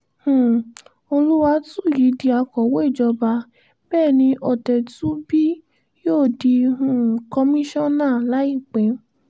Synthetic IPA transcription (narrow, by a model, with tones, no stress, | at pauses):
hũ˨ | o˧lu˦wa˧tũ˦˨ji˨˦di˧a˧kɔ˨wo˦i˦˨d͡ʒɔ˧ba˧ | b̥ɛː˦˨nĩ˧ʔɔ˨tɛ˨tũ˨˦bi˦ | joː˦˨di˧ũ˨kɔ˧mĩ˦ʃɔ̃˦˨nãː˦˨la˨˦i˦˨k͡pe˨˦